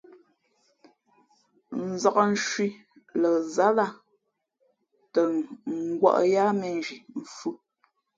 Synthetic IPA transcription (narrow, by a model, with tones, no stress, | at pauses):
n̩˨za˨kə˨n̩˦ʃwi˦ | lə˨za˦la˦˨ | tə˨ŋ˨ɡwa̰˦ʔja˦mɛ˨n˨ʒi˨m̩˨fu˦